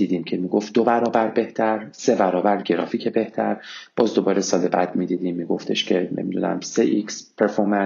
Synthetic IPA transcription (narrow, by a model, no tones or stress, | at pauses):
d̪iːd̪iːmcʰe̞miːɡof̚d̪obæɾɒːbæɾbe̞ht̪ʰæɾse̞bæɾɒːbæɾɟe̞ɾɒ̰ːfiːcʰebe̞ht̪ʰæɾb̥ɒːzd̪o̞bɒːɾesɒːlebæd̪mid̪iːd̪iːmːiːɡo̞ft̪ʰe̞ʃcʰe̞nʔḛmid̪unæ̰mseʔikspʰeɾfoɾmæn